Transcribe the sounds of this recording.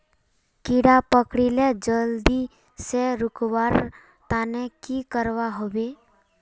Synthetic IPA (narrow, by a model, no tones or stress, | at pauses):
kiɽapəkɽiled͡ʒəld̪i | seɾʊkwaːɾ | t̪aːnekikəɾwaɦobe